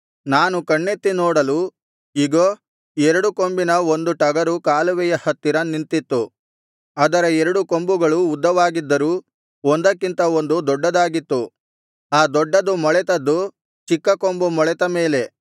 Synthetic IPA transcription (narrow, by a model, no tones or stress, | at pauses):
naːnukɐɳːet̪ːinɔːɽɐlu | iɡoː | ɛɾɐɽuko̞mbinɐond̪uʈɐɡɐɾukaːluʋɛjɐhɐt̪ːiɾɐnint̪it̪ːu | ɐd̪ɐɾɐɛɾɐɽuko̞mbuɡɐɭuːd̪ːɐʋaːɡid̪ːɐɾuː | ond̪ɐkːint̪ɐo̞nd̪ud̪ɔɖːɐd̪aːɡit̪ːu | aːd̪ɔɖːɐd̪umɔɭɛt̪ɐd̪ːu | t͡ʃikːɐko̞mbumɔɭɛt̪ɐmeːle̞